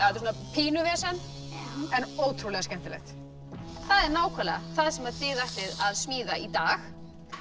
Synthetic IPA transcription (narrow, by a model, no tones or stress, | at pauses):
at̪sunapʰiːnʏvɛːsɛn | ɛnoːwt̪ʰɾulɛɣascɛm̥t̪ɪlɛ̰xt̪ | θaðɛɾnaːwkʰalɛɣa̰θaðsɛmaɾ̥θɪðaht̪ɪðaðsmiːðait̪aːx